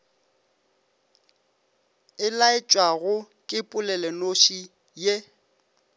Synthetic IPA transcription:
ɪlaɪt͡ʃʼwaɣʊ | kʼɪpʼʊlɛlɛnoʃi | je

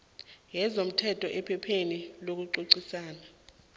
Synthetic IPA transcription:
jɛzom̩tʰɛtʰʼɔʔɛpʰɛpʰenilok̬uǀuǀisaːna

